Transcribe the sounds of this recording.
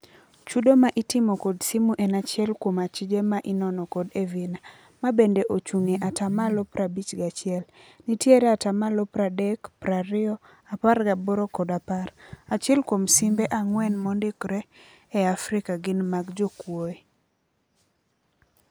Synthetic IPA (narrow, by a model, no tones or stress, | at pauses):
t͡ʃudomaʔɪtɪmɔkodsimuʔɛnat͡ʃɪɛlkwomat͡ʃɪd͡ʒemaʔɪnɔnɔkɔdevina | mabendeʔot͡ʃuŋeʔatamalopɾʔabit͡ʃɡat͡ʃɪɛlnitjeɾɛatamalopɾadɛkpɾaɾɪɔ | aparɡaboɾokɔdaparat͡ʃjɛlkwomsimbeʔaŋwɛnmondɪkɾɛ | ɛafɾɪkaɡɪnmaɡd͡ʒokwoe